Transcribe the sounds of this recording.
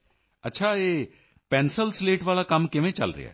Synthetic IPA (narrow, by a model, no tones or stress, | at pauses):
ɐtːʃʰae | pɛ̃ːnsəlsleːʈʋaːlakɐmkɪmẽt͡ʃɐ̰lɾɪ̰ja̰ɦ